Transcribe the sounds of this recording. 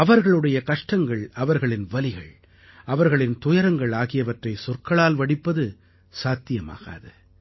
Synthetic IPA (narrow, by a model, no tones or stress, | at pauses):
ɐʋɐɾɣɐɭɯɽɐjɐkɐʂʈɐŋɡɐɭɐʋɐɾɣɐɭɪnʋɐlɪɣɐ̰ɭ | ɐʋɐɾɣɐɭɪnt̪ʊjɐɾɐŋɡɐɭaːɣɪjɐʋɐʈrɐɪsɔrkɐɭaːlʋɐɽɪpːɐðɯ | saːt̪ːɪjɐma̰ːɣa̰ːðɯ